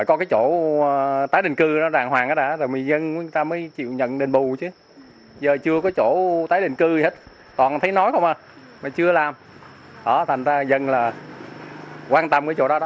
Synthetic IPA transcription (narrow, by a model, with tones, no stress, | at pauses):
faː˧˩jkɔ˨˦kaː˨˦jt͡ɕo˧˩ | t̪aː˨˦jɗï˨˩ŋ̟kɨ˧˨ɗɔ˨˦zaː˨˩ŋɦwaː˨˩ŋʔaː˨˥ɗaː˧˩zo˨˩mɨ˨˩zə˧nku˧˦t̪aː˧məː˨˦jt͡ɕḭ˧˨wɲə̰˧˨nɗe˨˩nɓu˨˩t͡ɕɨ˨˦ | zəː˨˩t͡ɕɨ˧əkɔ˨˦t͡ɕo˧˩t̪aː˨˦jɗï˧˨ŋ̟kɨ˧˩he˦˥t̚ | t̪ɔ˨˩nt̪ʰə˨˦jnɔ˨˦jxə˧wʔaː˧˩ | maː˨˩t͡ɕɨ˧əlaː˨˩m | ɗɔ˨˩t̪ʰa˨˩ŋ̟zaː˧zə˧nlaː˨˩ | kwaː˧nt̪ə˧mkaː˨˦t͡ɕo̰˧˩ɗɔ˨˦ɗɔ˨˦